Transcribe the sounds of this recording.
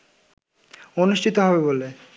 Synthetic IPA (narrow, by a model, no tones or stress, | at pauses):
onuʃʈʰit̪oɦɔbebole